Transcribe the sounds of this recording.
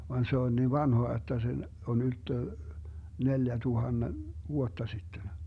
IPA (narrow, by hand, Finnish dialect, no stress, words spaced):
ʋɑn se on niːʋ ʋɑnhoɑ jotːɑ se on yltːø neljætuhɑnːe ʋuotːɑ sitːen